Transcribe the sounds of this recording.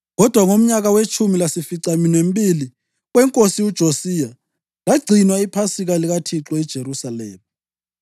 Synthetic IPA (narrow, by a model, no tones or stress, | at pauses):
ɣɔd̥ʱwaŋom̩ɲaɣawet͡ʃʰʼumilasifiǀaminem̩bili | ɣwɛŋkʼosiud̥ʒ̥ʱosija | laɡ͡ǀʱinwaipʰasiɣaliɣatʰiǁɔid̥ʒ̥ʱeɾusalɛ̰ːma